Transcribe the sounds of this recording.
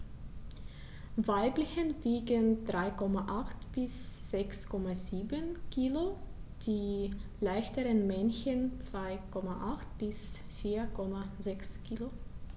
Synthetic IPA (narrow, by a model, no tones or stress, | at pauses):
vaɪblɪçənviːɡəndʁaɪkʰɔmaʔaχtb̥ɪsz̥ɛkskʰɔmaziːbənkʰiːlod̥iːlaɪçtəʁənmɛnçənt͡sv̥aɪkʰɔmaʔaχt̚b̥ɪsfiːɐkʰɔmazɛkskʰiːlo